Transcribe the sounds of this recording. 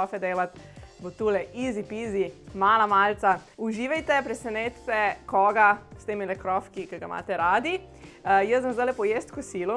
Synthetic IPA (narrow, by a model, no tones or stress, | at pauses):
ɔfɛd̪eːlat̪bot̪ulɛʔiːzipiːzimaːlamaːlt̪sauʒiːʋɛjt̪ɛpɾɛsɛnet̪sɛkɔːɡast̪eːmilɛkɾɔfkikɛɡama̰ːt̪ɛɾaːd̪i | jəsamzd̪ajlɛpɔjeːst̪kɔsilɔ